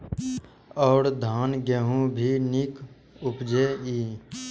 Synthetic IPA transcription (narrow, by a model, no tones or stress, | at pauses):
ɔːɾd̪ʱaːnɡəɦũbʱinɪk | ʊpd͡ʒeːiː